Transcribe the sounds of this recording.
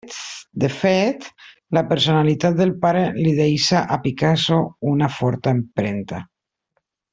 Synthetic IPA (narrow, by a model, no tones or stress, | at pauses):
d̪efet̪ | lapeɾsonalit̪at̪̚d̪elpaɾeliðejsaʔapikasounafɔɾt̪aempɾent̪a